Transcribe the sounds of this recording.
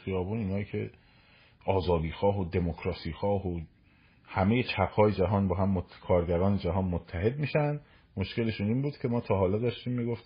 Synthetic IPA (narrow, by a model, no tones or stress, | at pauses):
xijɒːbuːniːnɒːjiːcʰe̞̰ | ʔɒːzɒːd̪iːxɒːɦod̪e̞mokʰɾɒːsiːxɒːɦo | hæmeje̞t͡ʃʰæpʰhɒːje̞d͡ʒæɦɒːnbɒːɦæmːokʰɒːɾɟæɾɒːned͡ʒæɦɒːnmot̪ʰːæɦe̞d̪̚miːʃænd̪ | mo̞ʃce̞le̞ʃuniːnbuːd̪̥cʰʲe̞mɒːt̪ʰɒːɦɒːlɒd̪ɒːʃt̪iːmːiɡoft̪